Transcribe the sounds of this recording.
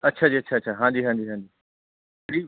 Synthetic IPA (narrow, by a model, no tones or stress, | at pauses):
ɐtːʃʰaːd͡ʒiːətːʃʰaːtːʃʰaɦãːd͡ʒiːɦãːɲd͡ʒiːɦãːd͡ʒiː | ɽiː